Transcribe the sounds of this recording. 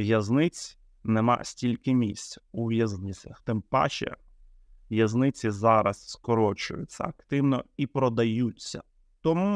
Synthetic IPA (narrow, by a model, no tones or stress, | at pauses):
ʋjɐznɪt͡sʲ | nemɑ̰sʲtʲilʲkɪmʲisʲt͡sʲuʋʲjɐznɪt͡sʲɐxt̪ɪmpɑ̰ʃɛ̰ | ʋjɐznɪt͡sʲizɑɾɐsskɔɾɔt͡ʃʊ̰jʊ̰t͡sʲːɐ̰ɐkt̪ɪwnɔipɾɔd̪ɐjut͡sʲːɐ̰ | t̪ɔmu